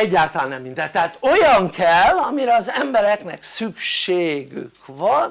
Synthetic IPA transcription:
ɛɟːaːlt̪ɒlaːnnɛmːind̪ɛnt̪ːɛaːt̪o̞jɒŋkʰɛlːɒmiɾɛɒzɛmbɛɾɛknɛksykʃeːɡy̰kvɒn

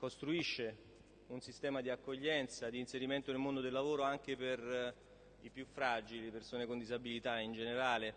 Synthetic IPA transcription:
kost̪ɾuiʃːe | unsist̪ɛːmad̪iakːoʎːɛnt̪sad̪iːnseɾiment̪onelmond̪od̪elːavoːɾoaŋk̟eper | ipjufɾad͡ʒilipersoːnekond̪izabilit̪aind͡ʒeneɾaːle

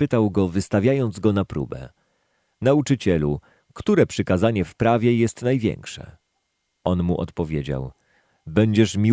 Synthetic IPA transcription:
pɘt̪awɡɔvɘst̪avʲjajɔnd̪zɡɔnapɾṵbɛ̰ | naut͡ʂɘt͡ɕɛlu | kt̪uɾɛpʂɘkazaɲɛfpɾavʲjɛjɛst̪najvʲjɛ̰ŋkʂɛ̰ | ɔnmṵʔɔ̰t̪pɔvʲjed͡ʑa̰w | bɛɲd͡ʑɛʂmʲi

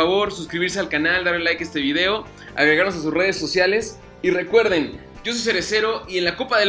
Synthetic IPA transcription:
aβo̞ɾsuskɾiβiɾs̬e̞alkanald̪aɾlelajke̞st̪e̞βiðe̞o̞ | a̰ɣɾeɣaɾno̞s̬as̬usre̞ð̞e̞so̞sjale̞s | ire̞kwe̞ɾðe̞n | ɟ͡ʝo̞so̞js̬e̞ɾese̞ɾo̞ie̞nlakopaðe

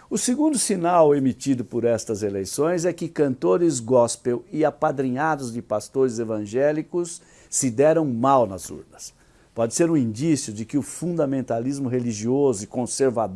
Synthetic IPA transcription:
ʊsɪɡũnd̪ʊsinawemit͡ʃid̪ʊpʊɾɛst̪ɐzelejsõj̃zɛkɪkɐ̃nt̪oɾɪzɡɔspewɪapad̪ɾiɲad̪ʊzd͡ʒɪpast̪oɾɪzevɐ̃ʒɛlikʊsː | ɪd̪ɛɾɐ̃w̃mawnɐzṵɾnɐs | pɔd͡ʒɪseɾũĩnd͡ʒisjʊd͡ʒɪkɪʊfũnd̪ɐmẽnt̪alizmʊɦeliʒiozʊɪkõseɾvad̪

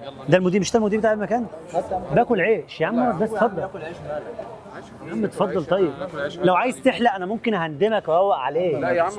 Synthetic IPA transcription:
d̪ælmod̪iːmeʃd̪ælmod̪iːbet̪ːaʕfimækæːnt̪bæːkolʕeːʃjaʕamːɑɾˤsbæst̪fɑd̪ˤːɑl | amːet̪fɑd̪ˤːɑlt̪ˤɑjːeb̚læwʕaːjezt̪eħlæʔænæmomkenɦænd̪emækwhowːæʔʕaleː

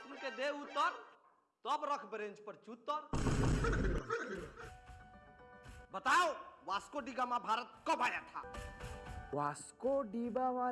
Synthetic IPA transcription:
t̪unked̪eut̪ːɔɾ | t̪ɔbɾɔkʰbɾẽnd͡ʒpəɾt͡ʃut̪ːɔɾ | bət̪awʋaskoɖiɡamãbʱaɾət̪̚kɔbajat̪ʰa̰ | ʋaskoɖibaʋa

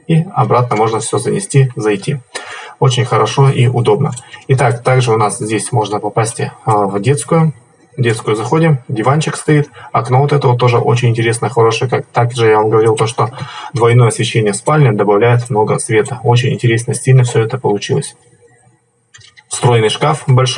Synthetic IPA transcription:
iɐ̰bɾat̪̚nəmo̞ʐnəfsʲɵzənʲɪsʲtʲizɐjtʲio̞t͡ɕɪnʲxəɾɐʂo̞iʔʊd̪o̞bnə̰ɪt̪akt̪aɡʐɨʊnaszʲdʲesʲmo̞ʐnəpɐpasʲtʲvdʲet̪skʊjʊ | dʲet̪skʊjʊzɐxo̞dʲɪmdʲɪvant͡ɕɪkst̪ɐit̪ɐkno̞vot̪ɛt̪əvət̪o̞ʐɨʔot͡ɕɪnʲɪnʲtʲɪɾʲe̞snəxɐɾo̞ʂɨjəkak̚t̪akʐɨjavamɡəvɐɾʲilˠt̪o̞ʂt̪od̪vɐjnojəɐsvʲɪɕːenʲɪjəspalʲnʲɪd̪əbɐvlʲæjɪt̪mno̞ɡəsvʲe̞t̪əo̞t͡ɕɪnʲɪ̰nʲtʲɪɾʲesnəsʲilʲnəfsʲɵɛt̪əpəlˠʊt͡ɕilˠəsʲ | st̪ɾo̞jnɨjʂkafbɐlʲʂ

